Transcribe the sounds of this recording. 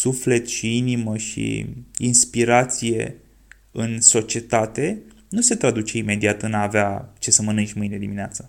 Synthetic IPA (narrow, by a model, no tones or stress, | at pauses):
sufle̞t̪ʃiiniməʃḭinspiɾat̪sije̞̰ | ɨnso̞t͡ʃie̞t̪at̪e̞ | nuse̞t̪ɾad̪ut͡ʃe̞ime̞d̪iat̪ɨnaːveat͡ʃe̞səmɨnɨnt͡ʃʲmɨjne̞d̪imineat̪sə